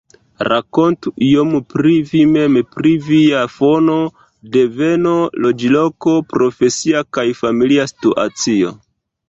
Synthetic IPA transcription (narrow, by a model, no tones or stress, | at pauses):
ɾako̞ntuʔiompɾivime̞mpɾiviafono̞ | de̞ve̞no̞lo̞d͡ʒilo̞ko̞pɾo̞fe̞siakajfamiliastuʔa̰t͡sio̞̰